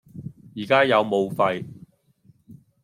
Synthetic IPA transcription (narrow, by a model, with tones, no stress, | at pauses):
jiː˨˩kaː˥jɐ˨˧wmo˨˧wfɐ˧j